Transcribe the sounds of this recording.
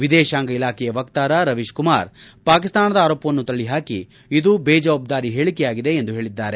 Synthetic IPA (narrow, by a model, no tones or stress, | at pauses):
ʋid̪ɛːʃaːŋɡɐilaːkʰɛjɐʋɐkt̪aːɾɐɾɐʋiʃkumaːɾpaːkist̪aːnɐd̪ɐaːɾoːpɐʋɐnːut̪ɐɭːiɦaːkḭ | id̪ubeːd͡ʒɐʋɐb̚d̪aːɾiɦeːɭikɛjaːɡid̪e̞end̪uɦe̞ːɭid̪ːaːɾe